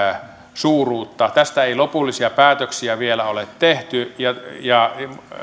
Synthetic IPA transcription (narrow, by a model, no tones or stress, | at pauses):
suːruːt̪ːɑt̪æst̪æeilopulːisiɑpæːt̪øksiæʋielæolet̪t̪eht̪yjɑjɑ